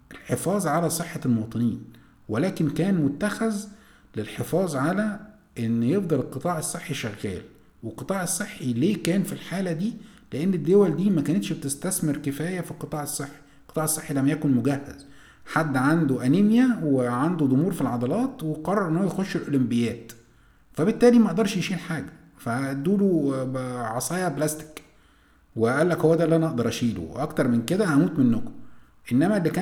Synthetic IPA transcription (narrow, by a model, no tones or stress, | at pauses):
ʔelħefɑːzˤʕalæsˤeħːɑlmowɑt̪ˤɨniːn | wælæːkenkæːnmot̪ːæxæz | lelħefɑːzˤʕalæ | ʔenːjefd̪ɑlelqːɨt̪ˤɑːʕesˤːeħːiʃæɣːæ̰ːl | welqːɨt̪ˤɑːʕesˤːeħːileːkæːnfilħaːlæd̪iː | leʔenːed̪ːowæld̪iːmækænet̪ʃbet̪est̪æsmeɾkɪfæːjæfilqɨt̪ˤɑːʕesˤːeħːi̥ | lqːɨ̥t̪ˤɑːʕesˤːeħːilæmjækonmoɡæhːæ̰z | ħad̪ːʕand̪uʔænemjæweʕand̪ud̪ˤomuːɾfilʕɑd̪ˤɑlɑːt̪weqɑrˤːɑɾˤʔenːowæjexoʃːelʔolombɪjæːt̪ | fæbet̪ːæːlimæʔd̪ɑɾˤʃjeʃiːlħaːɡæ | fæd̪uːlu | ʕɑsˤɑːjɑblæst̪ɪ̥k | weæʔæːlːækhowːæd̪æːlːʔænæʔɑʔd̪ɑɾˤʔæʃiːlṵʔɑkt̪ɑɾˤmenked̪æhæmuːt̪menːoko̥ | ʔenːæmælːikæː